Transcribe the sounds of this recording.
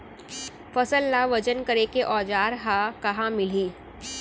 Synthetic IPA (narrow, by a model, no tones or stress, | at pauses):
fɐsəlːaʋɐd͡ʒənkɐɾekeʔɔːd͡ʒaːɾɦakɐɦãmɪl̤iː